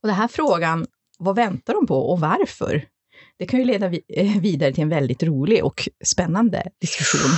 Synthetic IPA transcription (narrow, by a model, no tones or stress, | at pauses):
ɔd̪ɛnɦæːɾfɾoːɡan | vavɛnt̪aɖɔmpʰɔʔɔvaɾfœ̰ɾ | d̪̥ɛkʰanjɵleːd̪aviːd̪aɾət̪ʰɪlɛnvɛld̪ɪt̪ɾuːlɪʔɔ̰kspɛnːand̪ə̰d̪̥ɪskɵɧṵːn